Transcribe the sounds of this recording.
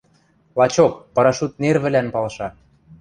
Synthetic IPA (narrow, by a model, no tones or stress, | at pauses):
lˠɑt͡ɕokpɤ̆ɾɑʃut̪̚nerβɘ̆lænpɑlʃɑ